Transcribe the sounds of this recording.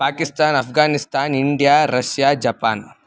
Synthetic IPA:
paːkist̪aːnɐpʰɡaːnist̪aːniɳɖijaːɾɐʃjaːd͡ʒɐpaːn

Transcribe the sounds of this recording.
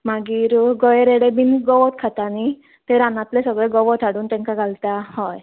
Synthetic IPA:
maɡiːɾɡɔjɾeɽebiːnɡɔʋɔt̪kʰat̪ani | t̪eɾanat̪lesəɡɭeɡɔʋɔt̪ʰaɽuːnt̪ɛ̃ŋkaɡʱalt̪ahɔj

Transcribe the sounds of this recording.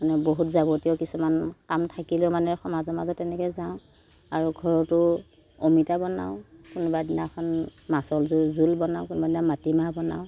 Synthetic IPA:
manɛboɦutzaɡotiɔʊkisumankamtʰakilʊmanɛxɔmazɔmazɔtɛnɛkɛzaʊ̃ | aɹuɡʱɔɹɔtʊ | omitabɔna̰ʊ̃kunɔbadinakʰɔnmasɔlzulzulbɔnaʊ̃kunbadinamatimabɔna̰ʊ

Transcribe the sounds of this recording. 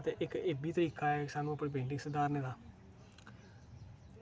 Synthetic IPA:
t̪eːʔɪkeːbiːt̪əɾiːkaːɛːksaːnũːəpɽeːp̬ẽːɳɖɪ̃ŋɡsəd̪aːɾneːd̪aː

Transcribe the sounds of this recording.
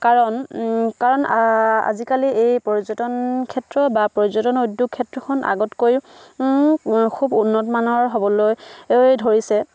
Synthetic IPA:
kaɹɔnkaɹɔna̰zikaliejpɔɹizɔtɔnkʰɛtɹɔbapɔɹzɔtɔnojdjukkʰːɛtɹɔkʰɔnʔa̰ɡɔtkoj | kʰubunːɔtɔmanɔɹɦobɔlojjdʱoɹisɛ

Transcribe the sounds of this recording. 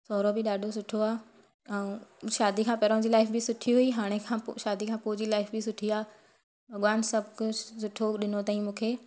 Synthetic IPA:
sɔːɾobɪɗaːɖʱos̬ʊʈʰoaː | ɛ̃ʃaːd̪ikʰãːpɛɾõd͡ʑiːlaːɪfbɪsʊʈʰiɦuiɦaːɽ̃ekʰã̰ːʃaːd̪ikʰãːpʊɦʊd͡ʑilaːɪfbɪsʊʈʰiaː | bʱɐɠʋaːnsɐbkʊsʊʈʰoɗɪnot̪aːĩmũːkʰeː

